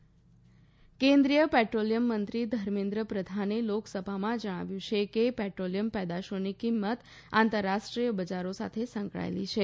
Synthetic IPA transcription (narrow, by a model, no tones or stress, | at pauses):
kẽnd̪ɾijəpɛʈɾolijəmːənt̪ɾid̪ʱəɾmẽnd̪ɾəpɾəd̪ʱaneloksəbʱamãd͡ʒəɽ̃a̰ʋjũt͡ʃʰekepɛʈɾolijəmpəd̪aʃonikimːət̪ | ãnt̪əɾːaʃʈɾijəbəd͡ʒaɾosa̰t̪ʰesə̃ŋkɭa̰ḛlḭt͡ʃʰe